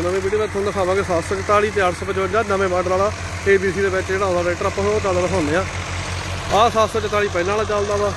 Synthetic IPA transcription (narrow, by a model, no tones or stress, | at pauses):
nəmẽːbeːɽiːbɛt̪ʰːond̪aːkʰãːʋãːkesaːt̪soːt͡ʃət̪aːɽiːt̪̬eːəʈʰsːpət͡ʃbəd͡ʒaːnəmẽːbaɖlaːlaː | eːbiːs̬iːd̪eːbɛːt͡ʃd͡ʒeːɽãːd̪aːɾeːʈɾəpːɦoːt͡ʃaːd̪aːɾəsãːneːãː | aːsaːt̪soːt͡ʃət̪aːɭiːpəiːnaːlaːt͡ʃaːld̪aːd̪aː